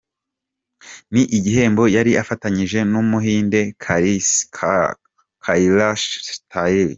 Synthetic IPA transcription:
niʔiɟihe̞ːmbo̞jaɾiʔafataɲiʒe̞numuɦiːnde̞kʰaɾis | kʰailaʃtʰaeli

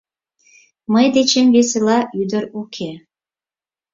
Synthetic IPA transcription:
məjd̪et͡ɕemves̬elɑʔyd̪əɾukʰe

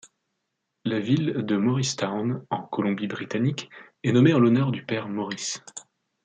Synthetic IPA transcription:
lavild̪əmɔʁist̪anɑ̃kɔlɔ̃bibʁit̪anik | ɛnɔmeɑ̃lɔnœʁd̪ypɛʁmɔʁis

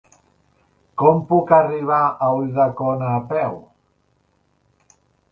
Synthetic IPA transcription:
kɔmpukariβ̞aʔauðakonaːpɛw

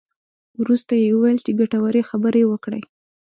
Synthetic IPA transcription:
wɾust̪ajewəwajəlt͡ʃeɡaʈawaɾexabəɾewəkɽə̰j

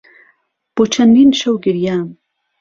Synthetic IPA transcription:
b̥ot͡ʃʰɐnd̪inʃɐwɡɪɾjaːm

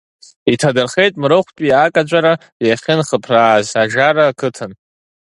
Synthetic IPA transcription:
itʰadɨrχe̞jtʼmrɨχʷtʼiakʼad͡ʒʷʼaɾa | jaχʲɪnχəpʰraːzaʒaɾaːkʰɨtʰɨn

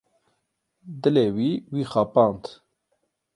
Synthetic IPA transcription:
d̪ɨleːwiːwiːxɑːpɑːnt̪

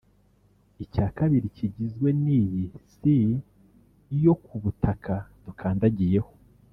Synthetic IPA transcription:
icaːkaβiɾicʰiɟizɡwe̞niːβisi | jo̞kuβutʰakʰatukʰaːndaɟije̞ho̞

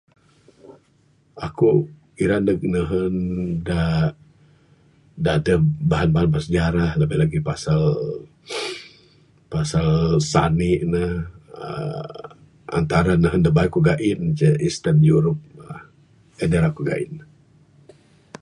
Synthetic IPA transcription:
aku | iɾandək̚nəɦənda | dadəbaɦanbaɦanbasəd͡ʒaɾahləbahlaɡipasal | pasalsa̰niʔnəhə̰ | a̰nt̪aɾanəɦəndabaikuɡaʔint͡ʃəʔist̪ənjuɾup̚a | ədəɾakuɡa̰ʔḭn

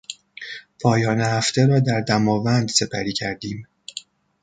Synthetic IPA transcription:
pʰɒːjɒːnehæft̪e̞ɾɒːd̪æɾd̪æmɒːvænd̪se̞pʰæɾiːcʰæɾd̪iːm

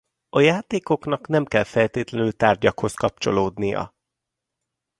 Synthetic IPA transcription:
ɒjaːt̪eːko̞knɒknɛmkɛlfɛlt̪eːt̪lɛnylt̪aːrɟɒkho̞skɒp̚t͡ʃo̞̰loːd̪nijɒ̰

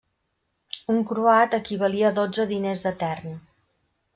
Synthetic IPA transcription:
uŋkɾuat̪əkiβ̞əliəːðod͡zəðinezðət̪ɛrn

